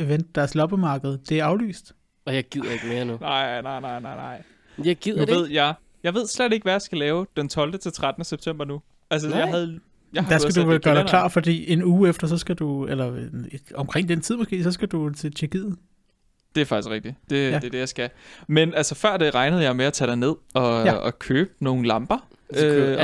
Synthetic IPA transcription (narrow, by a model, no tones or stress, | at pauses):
eʋen̰d̥ːæɐslɒ̽b̥əmɑ̈ːɡ̥əð̞̩ˠd̥e̝æɐɑ̈ʊly̰ːsd̥ | ɒjɑɪɡ̥iðˠɐeɡ̥me̝ːɐnunɑɪnɑɪnɑɪ̰nɑ̈ɪ̰nɑɪ̰ | jaɡ̥iðˠɐe̝ð̞̰ˠjɑ | jɑ̈ɪʋe̝ð̞̰ˠsled̥e̝ɡ̥ʋæjɑ̈sɡ̥ælɛːʊd̥ent͡sʰɒ̽ld̥ət͡sʰe̝lt͡sʰʁad̥ənəseb̥̚t͡sʰem̰b̥ɐnu | æls̬əjɑɦæðˠ | jɑhd̥æsæduʋelɡ̥ɶːɐd̥ælɑ̰̈ːfɒd̥ḭːe̝nuːefd̥ɐs̬ɒ̽sɡ̥æd̥uelɐnɒ̽mkʰʁeŋ̰d̥ent͡sʰið̰ˠmɒ̽sɡ̥e̝̰ːsɒ̽sɡ̥æd̥ut͡sʰe̝t͡ɕʰyɐkʰiðð̩ˠ | d̥e̝æɐfɑ̈ɡ̥iskʁeɡ̥̚d̥id̥e̝̥e̝d̥ejɑɪsɡ̥æmenælsəfɶɐ̰d̥e̝ʁɑ̈ɪnəð̞̩ˠjɑɪmeæt͡sʰɛ̰ːd̥ɑɪne̝ð̞̰ˠɒ̽ɒkʰøːb̥̚no̝ːn̩lɑ̈mb̥ɐ | ø